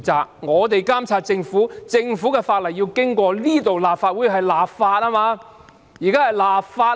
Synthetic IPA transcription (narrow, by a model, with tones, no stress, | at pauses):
t͡saː˨k̚ŋɔː˨˧t̪e˨jkaː˥mt͡sʰaː˧t̚t͡sɪ˧ŋfuː˨˥t͡sɪ˧ŋfuː˨˥kɛ˧faː˧t̚lɐ˨˩jːi˧wkɪ˥ŋkʷɔː˧liː˥t̪o˨wlaː˨p̚faː˧t̚wu˨˥jɦɐ˨jlaː˨p̚faː˧t̚aː˥maː˧ | jiː˨kaː˥hɐ˨jlaː˨p̚faː˧t